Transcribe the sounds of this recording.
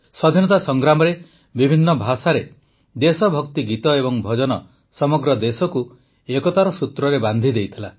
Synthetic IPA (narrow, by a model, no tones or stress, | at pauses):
sɔd̪ʱinɔt̪asɔŋɡɾamɔɾe | bibʱinːɔbʱasaɾe | d̪esɔbʱɔkt̪iɡit̪ɔebɔŋbʱɔd͡ʒɔnɔ | sɔmɔɡɾɔd̪esɔku | ekɔt̪aɾɔsut̪ɾɔɾeband̪ʱid̪ejt̪ʰila